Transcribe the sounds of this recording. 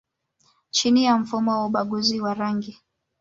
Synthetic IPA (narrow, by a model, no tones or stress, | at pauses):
t͡ʃinijam̩fumɔwauɓaɠuziwaɾaŋɡi